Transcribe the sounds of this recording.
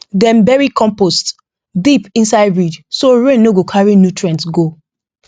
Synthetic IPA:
dɛ̃nbɛɹikʰɔ̃mpost | dipĩnsaɪdɹid͡ʒsoɹẽnːoɡokʰaɹinjutʰɹɛ̃ntsɡo

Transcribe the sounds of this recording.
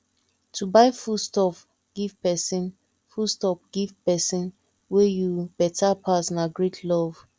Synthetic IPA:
tʰubaɪfustɔp | ɡ̥ivpɛsĩn | fustɔpɡ̥ivpɛsĩn | wejub̥ɛtʰapʰasnaɡɹetʰlɔv̥

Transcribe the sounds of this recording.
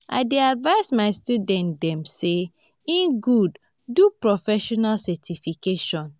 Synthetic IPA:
ʔa̰ɪdeadvaɪsmaɪstjudɛ̃ndɛ̃mse | ĩnɡud | dupɹɔfɛʃɔnalsɛtʰifikeʃɔ̃n

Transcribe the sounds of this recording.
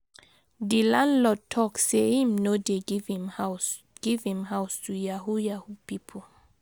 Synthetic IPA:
dilãnlɔd̚tʰɔksehĩmnodeɡvhima | ɡ̥ivhĩmɦawstʰujahujahupipʰɔl

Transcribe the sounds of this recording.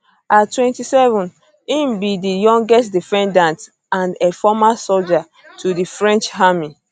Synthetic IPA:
atwɛ̃ntisɛvɔ̃n | ĩmbidijɔ̃ŋɡɛstdifɛ̃ndãnt | ãndɛfɔmasold͡ʒa | tʰudifɹɛ̃nt͡ʃɦami

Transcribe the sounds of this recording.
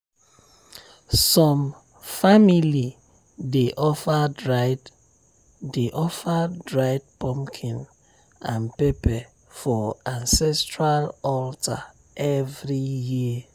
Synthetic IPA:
sɔ̃m | famili | deʔɔfaa | deʔɔfadɹaɪd̚pʰɔ̃mkʰĩn | ãnpepɛ | fɔãnsɛstɹalɔltʰa | ʔɛvɹiji

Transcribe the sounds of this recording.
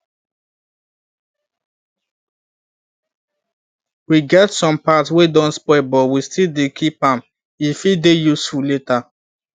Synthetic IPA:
wiɡɛtsɔ̃mpatswedɔ̃nspɔɪbɔwistildekʰipãm | ifidejusfuleta

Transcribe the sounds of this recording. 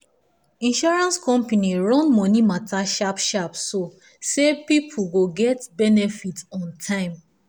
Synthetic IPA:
ĩnʃɔɹãnskɔ̃mpaniɹɔ̃nmɔ̃nimatʰaʃapʃapso | sepipʰuɡoɡɛtbɛnɛfitɔ̃ntʰãɪ̃m

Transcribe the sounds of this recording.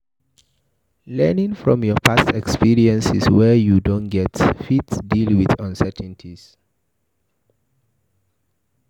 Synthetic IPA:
lɛnĩŋfɹɔ̃mjɔpʰastɛkspiɹiɛ̃nsiswɛjudõnɡɛtfitsdilˠwiðãnsɛtʰn̩tʰis

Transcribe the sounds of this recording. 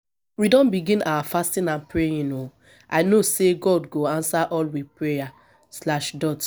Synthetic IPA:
widɔ̃nbiɡĩna̰wafastĩnãnpɹejĩno | aɪnoseɡɔdɡoãnsaʔɔlwipɹeja | slaʃdɔt

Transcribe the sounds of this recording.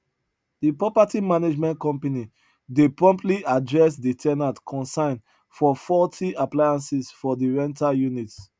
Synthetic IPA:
dipɹɔpatimaned͡ʒmɛ̃nkɔ̃mpani | depɹɔ̃mptliadɹɛs̬ditʰɛnatkʰɔ̃nsãɪ̃n | fɔfɔtʰiaplajãnsisfɔdiɹɛ̃ntajunits

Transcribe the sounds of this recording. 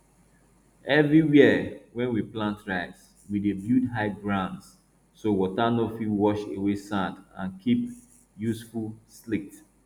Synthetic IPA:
ɛvɹiwiwɛ̃nwiplãntɹaɪs | widebjudɦaɪɡɹãndsː | owɔtanofiwɔʃewesãndã̰nkʰip | jusfulˠslik̚t

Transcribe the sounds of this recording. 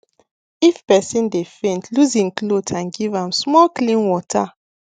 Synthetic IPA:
ifpɛsĩndefẽntʰluzĩŋklotʰãnɡivãmsmɔlklĩnwɔtʰa

